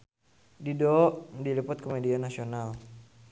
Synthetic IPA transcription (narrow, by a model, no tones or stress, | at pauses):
didɔʔdilipʊt̪̚komedianasional